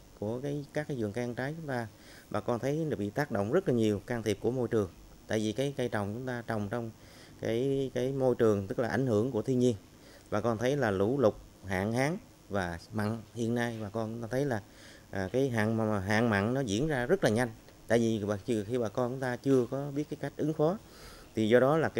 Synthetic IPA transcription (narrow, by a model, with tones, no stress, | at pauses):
ku˧˩əkaː˨˦jkaː˦˥k̚ːaː˨˦jzɨ˨˩əŋkaː˧ŋt͡ɕaː˨˦jt͡ɕʊ˨˦ŋ͡mt̪aː˧ | ɓaː˨˩kɔ˧nt̪ʰə˨˦jɓḭ˧˨t̪aː˦˥k̚ɗo̰˧˨wŋ͡mzə˦˥t̚laː˨˩ɲi˨˩əwkaː˧ŋt̪ʰi˨˩p̚ku˧˩əmo˧jt͡ɕɨ˨˩əŋ | t̪a̰ː˧˨jvi˨˩kaː˨˦jkaː˧jt͡ɕɔ˨˩wŋ͡mt͡ɕʊ˨˦ŋ͡mt̪aː˧t͡ɕɔ˨˩wŋ͡mt͡ɕɔ˧wŋ͡m | kaː˨˦jkaː˨˦jmo˧jt͡ɕɨ˨˩əŋt̪ɨ˦˥k̚laː˨˩ʔa̰˧˩jŋ̟hɨ˧˩əŋku˧˩ət̪ʰi˧nɲi˧ən | ɓaː˨˩kɔ˧nt̪ʰə˨˦jlaː˨˩lu˧˩lʊ˨˩k͡p̚ | ha̰ː˧˨ŋhaː˨˦ŋ | vaː˨˩ma̰˧˨nhḭ˧˨ənːaː˧jɓaː˨˩kɔ˧nt͡ɕŋ͡mt̪aː˧t̪ʰə˨˦jlaː˨˩ | ʔkaː˨˦jɦa̰ː˧˨ŋ˨˩ɦa̰ː˧˨ŋma̰ː˧˨nnɔ˨˦zḭ˧˥ənzaː˧zə˦˥t̚laː˨˩ɲa˧jŋ̟ | t̪a̰ː˧˨jvi˨˩a˨˩˧xi˧ɓaː˨˩kɔ˧nt͡ɕʊ˨˦ŋ͡mt̪aː˧t͡ɕɨ˧əkɔ˨˦ɓi˦˥ət̚kaː˨˦jka˦˥jk̟̚ʔɨ˨˦ŋfɔ˨˦ | t̪ʰi˨˩zɔ˧ɗɔ˨˦laː˨˩ka˨